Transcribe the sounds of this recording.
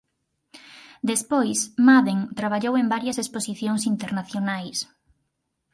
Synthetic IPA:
d̪espojsmaðeŋt̪ɾaβaʎowembaɾjɐsesposiθjoŋsint̪eɾnaθjonajs

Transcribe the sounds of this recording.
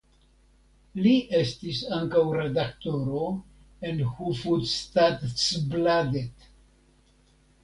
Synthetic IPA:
liʔe̞stisaŋkawɾe̞d̪akt̪o̞ɾo̞ | e̞nhufudstadsbladet

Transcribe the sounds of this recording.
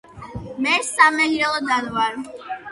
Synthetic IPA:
mɛsamɛɦiɾɛlˠɔd̪anwaɾ

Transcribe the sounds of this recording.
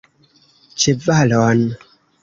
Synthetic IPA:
t͡ʃevalɔn

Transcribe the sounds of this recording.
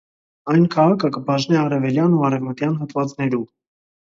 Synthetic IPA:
ɑjnkʰɑʁɑkʰəkəbɑʒnɛɑɾɛvɛljɑnuɑɾɛvmət̪jɑnɦɑt̪vɑt͡snɛɾum

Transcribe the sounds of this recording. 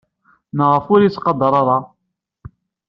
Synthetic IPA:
nəʁəfʊɾjit͡sːqɑd̪ɑɾˤɑɾˤɑ

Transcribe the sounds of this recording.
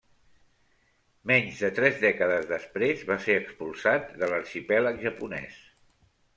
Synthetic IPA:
mɛɲzðət̪ɾɛzðɛkəðəzðəspɾezβaseɾəkspulˠsat̪̚d̪ələɾʃipɛləkʒəpunɛ̰s

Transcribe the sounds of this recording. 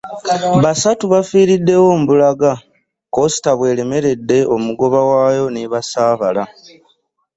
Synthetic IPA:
βasatuβafiːɾidːe̞wo̞m̩bulaɡa | ko̞si̥taβwe̞ːle̞me̞ɾe̞dːe̞o̞muɡo̞βawaːjo̞niβasaːβala

